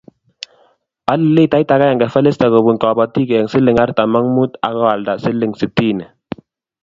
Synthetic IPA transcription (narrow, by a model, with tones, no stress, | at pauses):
a˦li˨le˦˨ta˦i˦ta˨˦ka˦ja˨ŋɡɛ˨fɛ˦le˦sta˨kɔ˨bu˨ŋkɔ˨ba˨ti˦kɛ˨ŋsi˦lɪ˨ŋa˦ɾta˨ma˦ŋmu˦ta̰˨kɔ˦wa˨lda˨si˦li˦˨ŋsi˨ti˦˨nɛ˨